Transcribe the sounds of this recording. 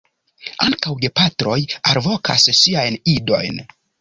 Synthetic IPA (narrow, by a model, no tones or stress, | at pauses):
a̰ŋkawɡe̞patɾo̞jaɾvo̞ka̰sːiajnido̞̰jn